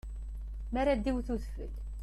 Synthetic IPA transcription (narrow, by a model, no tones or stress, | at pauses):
maɾad̪iwθuθfə̰l